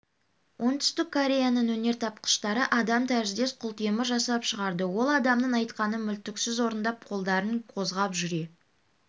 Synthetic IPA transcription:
wʔo̞nt̪ʰʏ̥st̪ɪkʰːoɾʲe̞janənwɵne̞ɾt̪ʰɑp̚qə̥ʃt̪ɑɾəʔɑd̪ɑmt̪ʰæɾɪzd̪e̞sqʰʊlˠt̪ʰeməʒɑsɑpʃəʁɑɾd̪əwo̞lˠɑd̪ɑmnəɴɑjt̪qɑnəmʏlt̪ɪksɪzwo̞ɾənd̪ɑp̚qʰo̞lˠd̪ɑɾəɴqʰo̞zʁɑpʒʏɾe̞

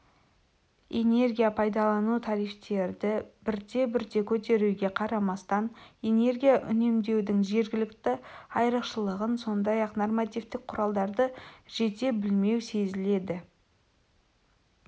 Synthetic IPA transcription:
e̞ne̞rɡʲijapʰɑjd̪ɑlˠɑnut̪ʰɑɾijft̪e̞ɾd̪ɪbɪɾd̪e̞bɪɾd̪e̞kʲʰɵt̪̬e̞ɾuɡʲe̞qʰɑɾɑmɑst̪ɑne̞ne̞ɾɡʲijaʔʏ̰ne̞md̪e̞wd̪ɪŋʒe̞ɾɡʲɪlɪkt̪ɪɑjɾəqʃəlˠəʁənso̞nd̪ɑjɑqnormat̪ijvt̪ɪk̚qʰːʊɾɑlˠd̪ɑɾd̪əʒ̥e̞t̪e̞bɪlme̞wse̞zɪle̞d̪ɪ

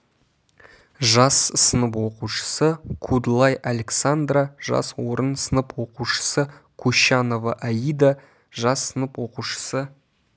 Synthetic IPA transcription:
ʒɑssənəpwo̞quʃə̥səkʰud̪lˠɑjʔaleksand̪raʒɑ̰swo̞ɾənsənəpwo̞quʃə̥səkʰɵʃɑno̞vaʔæjid̪a | ʒɑsːənəpwo̞quʃə̥sə

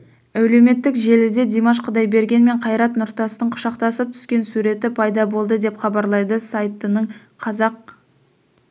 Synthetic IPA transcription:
æwle̞me̞t̪ːɪkʒe̞lɪd̪e̞d̪emɑʃ̬qʰəd̪ɑjbe̞ɾɡʲe̞nme̞ɴqʰɑjɾɑt̪nʊɾt̪ɑsənəɴqʰʊ̥ʃɑqt̪ɑsəp̚t̪ʰʏ̥skʲe̞nsuɾe̞t̪ɪpʰɑjd̪ɑbo̞lˠd̪əd̪e̞pχɑbɑɾlˠɑjd̪əsɑjt̪ənəɴ | qʰɑzɑq̚

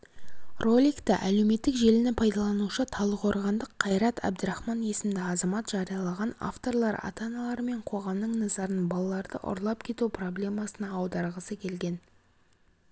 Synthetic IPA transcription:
rʔo̞lʲijkt̪ɪʔæle̞wme̞t̪ːɪkʒe̞lɪnɪpʰɑjd̪ɑlˠɑnuʃət̪ʰɑlˠəqʰo̞ɾʁɑnd̪əqʰːɑjɾɑt̪ʰæ̰b̚d̪əɾɑχmɑnje̞sɪmd̪ɪɑzɑmɑt̪ʒ̥ɑɾijɑlˠɑʁɑna̰ft̪o̞ɾlˠɑɾɑ̰t̪ɑnɑlˠɑɾme̞ɴqʰo̞ʁɑmnəɴnɑzɑɾənbɑlˠɑlˠɑɾd̪ə̰ʔʊ̰ɾlˠɑpkʲʰe̞t̪upro̞blʲe̞mɑsənɑːwd̪ɑɾʁəsəkʲʰe̞lɡʲe̞n

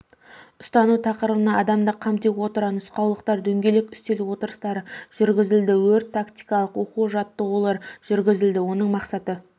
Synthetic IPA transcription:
ʊst̪ɑnut̪ʰɑqəɾəlˠənɑɑd̪ɑmd̪əqʰɑmt̪ekwo̞t̪əɾɑnʊsqɑwlˠəqt̪ɑɾd̪ɵŋɡʲe̞lekʲʏ̥st̪e̞luwo̞t̪əɾəst̪ɑɾəʒ̥ʏɾɡʲɪzɪld̪ɪwɵɾt̪ʰːakt̪ijkɑlˠəqwo̞quʒɑt̪ːəʁulˠɑɾʒ̥ʏɾɡʲɪzɪld̪ɪwo̞nəɴmɑqsɑt̪ə

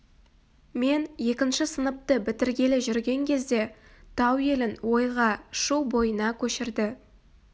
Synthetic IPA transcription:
me̞nje̞kʲɪnʃɪsənəp̚t̪əbɪt̪ɪɾɡʲe̞lɪʒʏɾɡʲe̞ŋkʲʰe̞zd̪e̞t̪ʰɑwje̞lɪnwo̞jʁɑʃuwbo̞jənɑkʲʰɵʃɪɾd̪ɪ

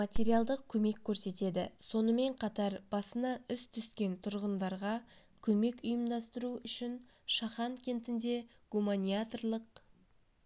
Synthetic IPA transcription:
mat̪ʲe̞ɾijalˠd̪əq̚kʲʰɵme̞kʲʰːɵɾse̞t̪e̞d̪ɪso̞nəme̞ɴqʰɑt̪ɑɾb̥ɑsənɑʏst̪ʰʏskʲe̞nt̪ʰʊɾʁənd̪ɑɾʁɑ | kʲʰɵme̞kʲʊjəmd̪ɑst̪əɾuʏʃɪn | ʃɑχɑŋkʲʰe̞nt̪ɪnd̪e̞ | ɡ̥umanʲijat̪rlˠəq̚

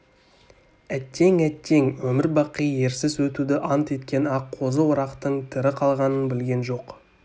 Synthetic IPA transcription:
æt̪ʰːe̞ŋæt̪ʰːe̞ŋwɵmɪɾbɑqije̞ɾsɪswɵt̪ud̪ɪʔɑnt̪e̞t̪kʲe̞nɑqʰːo̞zəwʊɾɑqt̪əɴt̪ʰɪɾɪqʰɑlˠʁɑnənbɪlɡʲe̞nʒo̞q

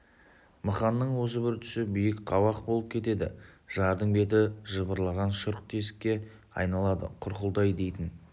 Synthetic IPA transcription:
məχɑnːəɴwo̞s̬əbɪɾt̪ʰʏ̥sɪbijɪkqʰɑwɑq̚bo̞lˠəp̚kʲʰe̞t̪e̞d̪ɪʒ̥ɑɾd̪əɴbe̞t̪̬ɪʒəbəɾlˠɑʁɑnʃʊɾq̚t̪ʰe̞sɪ̥kʲːe̞ | ɑ̰jnɑlˠɑd̪ə̰qʰʊɾqəlˠd̪ɑjd̪e̞jt̪ɪn

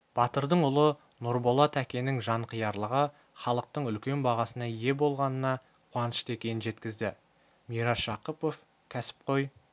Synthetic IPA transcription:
b̥ɑt̪əɾd̪əɴʊlˠə | noɾbo̞lˠɑt̪ʰækʲe̞nɪŋʒɑɴqʰəjɑɾlˠəʁə | χɑlˠəq̚t̪əɴʏlkʲe̞nbɑʁɑsənɑije̞bo̞lˠʁɑnənɑ | qʰwɑnəʃt̪e̞kʲe̞nɪnʒe̞t̪kʲɪzd̪ɪ | mijɾɑʃɑqəpo̞f | kʲʰæsɪ̥p̚qʰo̞j

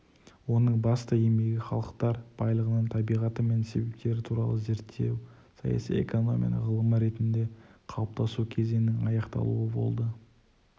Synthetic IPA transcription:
wo̞nəɴbɑst̪əe̞me̞ɡʲɪχɑ̰lˠəq̚t̪ɑɾb̥ɑjlˠəʁənəɴt̪ʰɑbijʁɑt̪əme̞nse̞be̞p̚t̪e̞ɾɪt̪ʰuɾɑ̰lˠəze̞ɾt̪ʰːe̞w | sɑjɑ̰sḭjḛko̞no̞̰mʲḭj̰nə̰ʁəlˠəməɾe̞t̪ɪnd̪e̞qʰɑlˠəp̚t̪ɑsukʲʰe̞ze̞nɪŋɑjɑqt̪ɑ̰lˠṵəbo̞̰lˠd̪ə

